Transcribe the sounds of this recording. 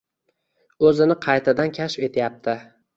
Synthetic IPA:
ɵzɪnɪqʰɑjt̪ʰad̪ankʲʰaʃfe̞t̪ʰjap̚t̪ʰɪ

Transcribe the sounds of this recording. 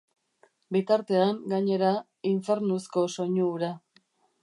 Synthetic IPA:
bit̪aɾt̪e̞aŋɡaɲe̞ɾa | iɱfe̞ɾnusko̞so̞ɲuːɾa

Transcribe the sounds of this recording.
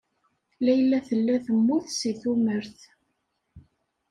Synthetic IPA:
læjəlːæθəlːæθəmːʊθsiθuməɾθ

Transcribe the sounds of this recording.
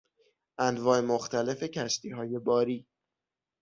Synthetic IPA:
ʔænvɒːemoxt̪ʰæle̞fe̞cʰæʃt̪ʰiːɦɒːje̞bɒːɾiː

